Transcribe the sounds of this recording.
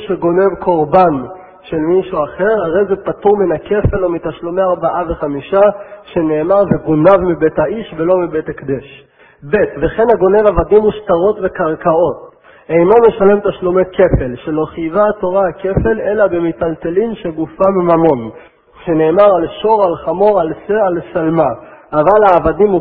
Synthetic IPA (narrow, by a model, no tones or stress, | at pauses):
ʃeɡo̞ne̞vkʰo̞ʁban | ʃe̞lmiʃuaχe̞ʁhaʁejzepat̪uʁminake̞fe̞lomit̪aʃlomeaʁbaʔaveχamiʃaʃe̞ne̞ːmaʁveɡonavmibethaiʃvelo̞mibet̪akd̪eʃ | be̞t̪ve̞χe̞naɡo̞ne̞vavadimuʃt̪aʁo̞tvekaʁkao̞t̪ | ejnome̞ʃale̞mt̪aʃlomeke̞felʃelo̞χijvato̞ʁaake̞fe̞le̞labemitalte̞limʃeɡufamimamo̞n | ʃe̞ne̞ːmaʁalʃo̞ʁalχamo̞ʁalsealsalmaːvalaːvadimu